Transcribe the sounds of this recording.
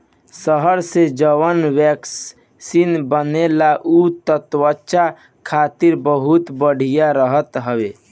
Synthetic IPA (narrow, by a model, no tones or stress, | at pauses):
səɦəɾsed͡ʒəwənwɛks | sinbənelaʔut̪ət̪wəʃa | kʰat̪iɾbəɦut̪bəɽ̤ʱijaɾəɦət̪ɦəbe